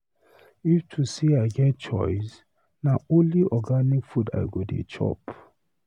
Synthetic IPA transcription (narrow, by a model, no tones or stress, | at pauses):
iftʰusiaɪɡɛt̚t͡ʃɔ̰ɪs | naõnliɔɡanikfuda̰ɪɡodḛt͡ʃʰɔ̰p